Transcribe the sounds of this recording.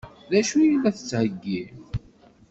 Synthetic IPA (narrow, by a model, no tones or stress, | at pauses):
ðæʃujilæθə̥t͡sːhəɡːiʕ